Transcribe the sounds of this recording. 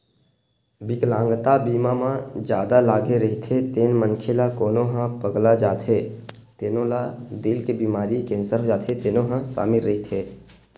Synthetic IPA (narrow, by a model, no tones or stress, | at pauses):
bɪklãːŋɡt̪abiːmamãd͡ʒjaːd̪alaːɡeɾəɦit̪ʰet̪eːnmənkʰelakoːnõɦãpəɡlad͡ʒaːt̪ʰɦeː | t̪eːnõlad̪ɪlkebiːmaːɾikẽːnsəɾɦod͡ʒaːt̪ʰet̪eːnõɦãsa̰ːmɪlːəɦit̪ʰeː